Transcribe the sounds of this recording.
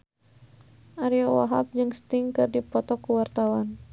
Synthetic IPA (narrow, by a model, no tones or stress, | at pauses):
ʔaɾiɔwaɦap̚d͡ʒɨŋst̪iŋkɨrdipɔt̪ɔkuwart̪awan